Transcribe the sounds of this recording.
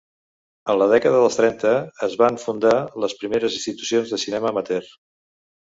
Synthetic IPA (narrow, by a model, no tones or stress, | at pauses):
ənləðɛkəðəðəlˠst̪ɾɛnt̪əːzβaɱfund̪aləspɾimeɾəzinst̪it̪u̥sionzðəsinɛməmət̪ɛr